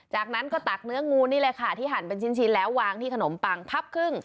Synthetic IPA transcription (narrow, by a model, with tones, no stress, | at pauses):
t͡ɕaː˨˩k̚na˦˥nkɔː˥˩t̪a˨˩k̚nɯ˦˥ɐŋuː˧niː˥˩lɤː˧jkʰa˥˩t̪ʰiː˥˩ɦa˩˦npe˧nt͡ɕʰi˥˩nt͡ɕʰi˦˧˩nlɛː˦˥wːaː˧ŋt̪ʰiː˥˩kʰa˧no˩˦mpa˧ŋpʰa˦˥˩p̚kʰɯ˥˩ŋ